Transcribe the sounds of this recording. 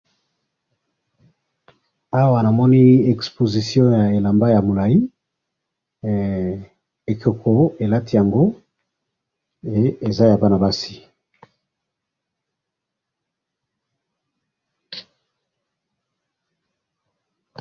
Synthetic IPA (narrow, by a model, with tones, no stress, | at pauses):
a˦wa˨na˨mɔ˦ni˦ɛ˨kspo˨zi˨sjɔ̃˦ja˨e˨la˨mba˦ja˨mo˨la˨i˦ | e˨ko˨kʰo˨˦e˨la˦ti˦ja˨ŋɡo˦ | e˦e˨za˦ja˨ba˦na˨ba˦si˨